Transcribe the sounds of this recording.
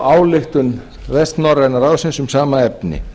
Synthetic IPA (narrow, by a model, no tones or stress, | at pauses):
awlɪht̪ʏn | vɛst̪nɔrːɛnaraːwsɪnsʏmsaːmaɛpnɪ̰